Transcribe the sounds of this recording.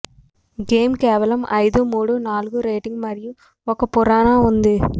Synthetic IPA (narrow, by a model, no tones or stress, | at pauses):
ɡeːmkeːʋɐlɐmɐɪðɯmuːɽɯnaːlɣɯɾeːʈɪŋɡmɐɾɪjɯ̃ | ɔkːɐpʊɾaːnaːʊnd̪ɯ